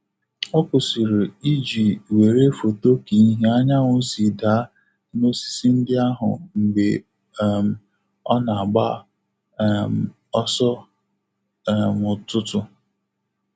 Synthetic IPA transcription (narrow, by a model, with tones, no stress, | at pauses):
ɔ˦ko˨si˨ɾe˨i˦d͡ʒi˨we˨ɾe˦fo˨to˦ki˨˦ɦe˦a˦ɲa˦ŋʊ˦n̩˦si˨da˨˦ | no˦si̥˨si˦n̩˦dɪ˦a˦ɦʊ̰˨m̩˨ɡ͡be˨˦ | m˨ | ɔ˦na˨a˨ɡ͡ba˦ | m˨ | ɔ˦sɔ˦˨ | mʊ˨tʊ˦tʊ˦